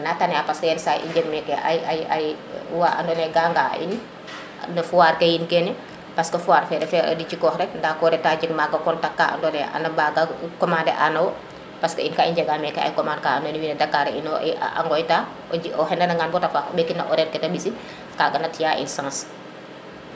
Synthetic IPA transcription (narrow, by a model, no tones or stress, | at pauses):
natanɛapasjɛnsaʔḭɲd͡ʒɛɡmɛkːɛʔa̰jajaj | waa̰ndɔnɛɡaːŋɡa̰ʔḭn | nɐfuwaːɾkɛjinkɛni | paskɐfuwaːɾfɛɾɛfɛʔɐ̰dit͡ʃikɔhɾɛndakɔɾɛtaːd͡ʒiŋmaɡɐkɔntakːaʔa̰ndɔnɛʔa̰nɐbaɡakɔmaːndɛ̰ʔanɐwɔ | paskɐinkaːiɲd͡ʒɛɡaːmɛkːɛʔa̰jkɔmaːndkaandɔniwinɐdakːaɾɛinɔa̰ŋɡɔjta | ɔhɛnɐnɐŋɡanbɔtafaːkɔɓekːinɐ̰ʔɔɾɛnkɛtaɓisi | kaɡɐnɐtijaʔḭnsãːs